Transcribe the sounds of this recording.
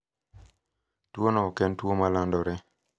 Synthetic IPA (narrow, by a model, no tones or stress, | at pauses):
tuonɔkɛntuomalandɔɾɛ